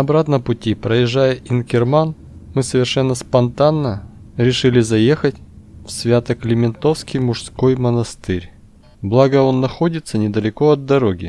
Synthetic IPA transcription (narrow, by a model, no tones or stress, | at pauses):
ɐbɾat̪nəpʊtʲipɾəjɪʐːajəʔɪnkʲɪrman | mɨsəvʲɪrʂɛnːəspɐnt̪anːəɾʲɪʂɨlʲɪzɐje̞xətʲfsvʲat̪əklʲɪmʲɪnt̪o̞fskʲɪjmʊʂsko̞jmənɐst̪ɨɾʲ | blˠaɡəo̞nːɐxo̞dʲɪt̪sənʲɪd̪əlʲɪko̞ɐd̪ːɐɾo̞ɡʲɪ